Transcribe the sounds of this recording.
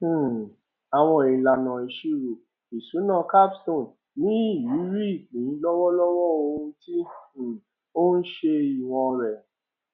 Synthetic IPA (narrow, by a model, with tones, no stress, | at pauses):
a˨w̃ɔ̃˧e˨la˨nã˨i˧ʃi˦ɾo˨ | i˨su˨˦nã˧ka˦bstõ˦˨n | nĩ˦i˦˨ji˨˦ɾi˦˨ĩ˨ĩ˨˧˦lɔ˦wɔ˦lɔ˦wɔ˦o˧hũ˧tĩ˦˨ | o˦n̩˦ʃe˧i˨w̃ɔ̃˧ɾɛ˨